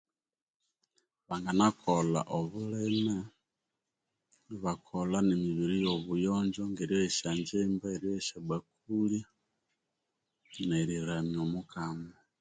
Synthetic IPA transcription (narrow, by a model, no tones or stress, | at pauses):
βaŋɡanakʰola̰ʔoβuleme | iβakʰolanemiβiɾijoβujoːɲd͡ʒoŋɡeɾjoeʃaɲd͡ʒembaeɾjoeʃaβwak | ulja | neɾiɾamiomukama